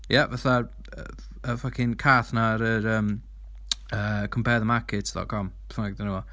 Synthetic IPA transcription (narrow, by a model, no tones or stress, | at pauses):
jɛvaθa | ə̰ | əfakʰɪnkʰaːθnaɾəɾəːm | əːkʰəmpʰɛðəmakʰɪtʰdɔ̰t̚kʰɔmpʰɛ̥θnaɡədanuwɔ